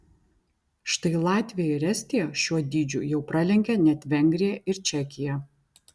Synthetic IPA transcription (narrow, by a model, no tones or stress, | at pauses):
ʃt̪ɐɪlˠɑːt̪ʲʋʲɪjɛɪɾʲɛsʲt̪ʲijɛʃʲuɔd̪ʲiːd͡ʒʲʊ̰jɛʊpɾɑlʲɛŋʲkʲɛnʲɛt̪ʲʋʲɛŋʲɡɾʲijɛɪɾt͡ʃʲɛkʲɪjɛ